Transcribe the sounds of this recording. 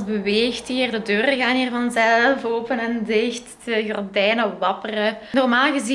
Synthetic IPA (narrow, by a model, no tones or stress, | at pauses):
zbəʋeːxtɦiːrdədøːrəɣaːniːrvɑnzɛlfoːpənɛndɪxt | əɣɔrdɛjnəʋɑpərənɔrmaːlˠɣəzi